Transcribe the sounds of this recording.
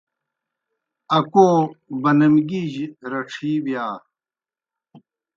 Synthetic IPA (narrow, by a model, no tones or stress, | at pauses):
ɐkoːbɐnɐmɡiʑɾɐʈ͡ʂʰiːbjaː